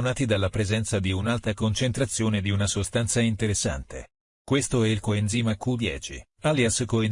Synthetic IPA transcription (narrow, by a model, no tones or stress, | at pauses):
unaːt̪id̪alːapɾezɛnt̪sad̪iunalt̪akont͡ʃent̪ɾat̪sːjoːned̪iunasost̪ansaint̪eɾesːa̰nt̪ḛ | kwest̪oɛilkoenziːmakud̪jɛ̰ːt͡ʃḭ | aljaskoe